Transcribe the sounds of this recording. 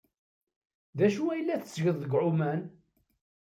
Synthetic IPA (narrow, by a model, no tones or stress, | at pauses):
ðæʃuæjəlːæθəsːʝəðˤðəɡʕʊmæn